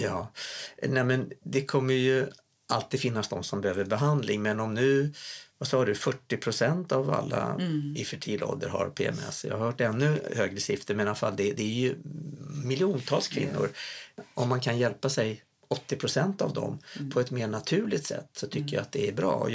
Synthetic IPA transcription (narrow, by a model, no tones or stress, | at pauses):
jɑːnɛmɛnd̪ɛkʰɔmːəɾjɵ | ʔalt̪iːd̪fɪnːasd̪ɔmsɔmbɛhøːvəɾbɛɦand̪lɪŋmɛnɔmnʉ̟ːvasɑːɖɵfœʈːɪpʰɾʊsɛnt̪ava̰lːa̰ɪfœʈʰiːlɔ̰ld̪əɾɦa̰ɾpʰḛːɛ̰mɛ̰sjɑ̰ɡhœːʈːɛnːɵhøːɡɾəsɪft̪əmɛnalafalːd̪ɛd̪ɛːɾjɵ | mɪlːjɪuːnt̪ʰɑːlskʰvɪ̰nːʊ̰ɾɔmːankʰanjɛlpasɛj | ɔt̪ːɪpʰɾʊsɛnt̪a̰vd̪ɔ̰mpʰɔɛt̪meːɳat̪ʰʉ̟ːlɪt̪sɛ̰t̪ːsɔt̪ʰʏkːəja̰at̪̚d̪ɛæɾbɾɑ̰ːɔ̰